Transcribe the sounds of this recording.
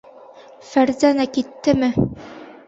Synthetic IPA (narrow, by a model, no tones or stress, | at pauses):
fæɾzænækit̪ːɘmɘ